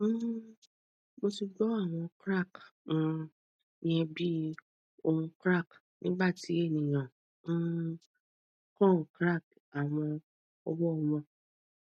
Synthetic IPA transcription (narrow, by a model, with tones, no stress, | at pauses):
mo˧si˧ɡ͡bɔ˨˦a˦˨w̃ɔ̃˧kɾa˦˨k̩˦˨ | nĩ˦ɛ˧bi˦ | o˧hũ˧kɾa˦˨k | nĩ˦ɡ͡ba˦˨ti˨˦e˦˨nĩ˨j̃ã˨˦ | kɔ̃˦˨kɾa˦˨k̚ | a˨w̃ɔ̃˧ | ɔ˧wɔ˦ɔ˧mɔ̃˧